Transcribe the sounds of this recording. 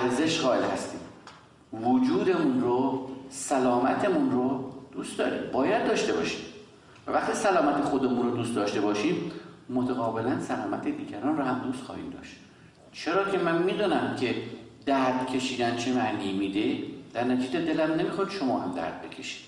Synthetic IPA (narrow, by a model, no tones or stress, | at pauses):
æɾze̞ʃɣɒːelhæ̰st̪ḭːm | vod͡ʒuːd̪e̞munrosælɒːmæt̪ʰemunrod̪̥uːst̪d̪ɒːɾḭːmbɒːjæd̪̚dːɒːʃt̪e̞bɒ̰ːʃi̥ːm | vævæχt̪iːsælɒːmæt̪ʰexo̞d̪emunɾod̪uːst̪d̪ɒːʃt̪e̞bɒːʃiːmmot̪ʰæɣɒːbelænsælɒːmæt̪ʰed̪iːɟæɾɒːnroɦæmd̪uːst̪χɒ̰ːhḭːmd̪ɒ̰ːʃt̪ | t͡ʃʰeɾɒːcʰe̞mænmiːd̪ɒːnæmcʰe̞d̪̥æɾd̪̥cʰe̞ʃiːd̪ænt͡ʃʰemæʔniːmid̪ed̪̥æɾnæt̪ʰiːd͡ʒed̪e̞læmne̞mixoɾiʃomɒːhæmd̪æ̰ɾd̪̥̚be̞cʰe̥ʃi̥ːd̪̥